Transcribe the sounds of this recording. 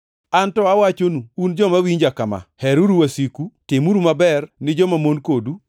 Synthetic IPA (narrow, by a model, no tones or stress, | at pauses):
antɔawat͡ʃonuːnd͡ʒɔmawiɲd͡ʒakama̰hɛɾuɾuwasikutɪmuɾumabɛrnɪd͡ʒɔmamonkodu